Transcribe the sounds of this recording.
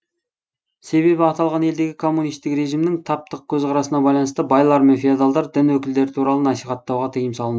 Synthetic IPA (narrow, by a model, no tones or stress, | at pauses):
se̞βe̞bɪɑt̪ɑlˠʁɑne̞ld̪e̞kʲɪkʰo̞mːunijst̪ɪkɾe̞ʒimnɪŋt̪ʰɑp̚t̪əq̚kʲʰɵzqʰɑɾɑsənɑbɑjlˠɑnəst̪əbɑjlˠɑɾme̞nfiad̪ɑlˠd̪ɑɾd̪ɪnwɵkʲɪld̪e̞ɾɪt̪ʰuɾɑlˠənɑsijχɑt̪ːɑwʁɑt̪ʰijɪmsɑlˠənə